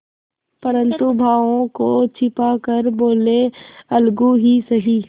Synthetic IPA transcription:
pɐɾə̃nt̪ubʱaːʋõkot͡ʃʰɪpakəɾboːleɐlɡuɦisɐɦiː

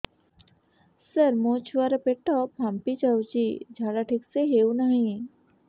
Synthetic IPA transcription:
səɾmõːt͡ʃʰuʋaɾɐpeʈːɔpʰampit͡ʃawt͡ʃid͡ʒʱaːɽaʈʰɪkseɦeːunaɦĩ

